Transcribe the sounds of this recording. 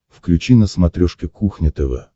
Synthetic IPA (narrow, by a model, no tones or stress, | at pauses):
fklʲʉt͡ɕinəsmɐt̪ɾʲoʂkʲɪkuxnʲɪt̪əvə̰